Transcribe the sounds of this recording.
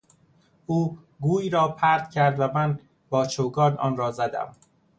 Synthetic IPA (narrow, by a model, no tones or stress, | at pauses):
ʔuː | ɡuːiːɾɒːpʰæɾd̪̥cʰæɾd̪væmæn | b̥ɒːt͡ʃʰoːɡɒːɾnɒ̰ːnɾɒːzæd̪æ̰m